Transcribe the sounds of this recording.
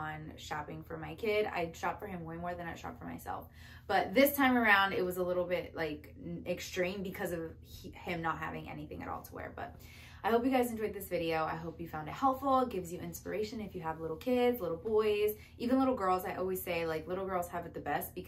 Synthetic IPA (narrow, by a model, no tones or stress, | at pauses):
ə̃nʃɑpɪ̃ŋfə˞maɪkʰɪɾa̰ɪdʃɑpfə˞ɨ̃mwẽɪmɔɹðɨ̃naɪʃɑ̰pfə˞ma̰ɪsɛ̰lˠf | b̥ʌt̪̚ðɪstʰãɪ̃mə˞ãʊ̃ndɨt̚wʌzəlɪɾl̩ˠbɪtlaɪk | ɨkstɹ̥ĩmbɨkʰʌzʌv̥ | ɪ̃mnət̚ɦæ̰vɪ̰̃ŋʔɛ̰niθɪ̰̃ŋɨ̰ɾɔ̰lˠtʰəwɛ̰ɹb̥ʌ̰ɾ̚ | aɪhoʊpjɨɡaɪzɨ̃nd͡ʒɔɪd̪̚ðɪsv̥ɪɾioʊa̰ɪɦoʊpjɨfãʊ̃ndɨt̚hɛlˠpfl̩ˠɡɪvzjɨʔɪ̃nspə̰˞eɪʃɨ̃nɨfjɨəvlɪɾl̩ˠkʰɪdzlɪɾl̩ˠbɔɪz | ʔivɨ̃nlɪɾl̩ˠɡɜ˞lˠzaɪʔɔlˠwiz̥seɪlaɪklɪɾl̩ˠɡɜ˞lˠz̥ɨvɨt̪̚ðɨbɛst̚b̥ɨk